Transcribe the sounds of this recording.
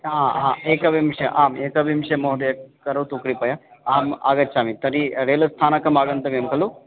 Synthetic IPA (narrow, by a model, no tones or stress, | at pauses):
aːaːeːkɐbʱimʂɐʔaːmeːkɐbʱimʃɐmoɦd̪ɐjɐkɐɾut̪ukɾipɐjɐaːma̰ːɡɐt͡ʃaːmit̪ɐɾiɾeːlɐst̪ʰaːnɐkɐmaːɡɐnt̪ɐmjɐmkɐlu